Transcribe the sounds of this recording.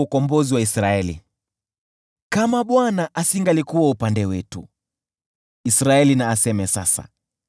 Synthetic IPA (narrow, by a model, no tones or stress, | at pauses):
ukɔmbɔziwaisɾaɛlḭ | kamaɓwanaʔasiŋɡalikuwaupandɛwɛtṵ | isɾaɛlinaːsɛmɛsasa̰